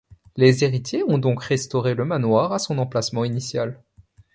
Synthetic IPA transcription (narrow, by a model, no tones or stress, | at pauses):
lezeʁit̪jeɔ̃d̪ɔ̃kʁɛst̪ɔʁeləmanwaʁasɔ̃nɑ̃plasmɑ̃inisjal